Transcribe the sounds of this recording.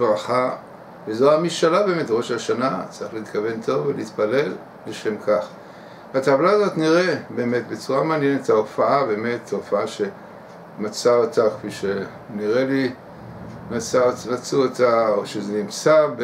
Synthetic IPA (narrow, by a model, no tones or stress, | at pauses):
ʁaχa | vezoamiʃalabeːmetʁo̞ʃaʃanat͡saʁiχleit̪kave̞ntʰo̞veliit̪pale̞l | beʃe̞mkʰaχ | atavlazo̞tniʁe̞be̞ːme̞tbet͡suʁamaːnjenetaofaʔabe̞ːme̞tofaaʃe̞ | mat͡saotakfiʃe | niʁe̞li | mat͡saomat͡suotaoʃezenimt͡sab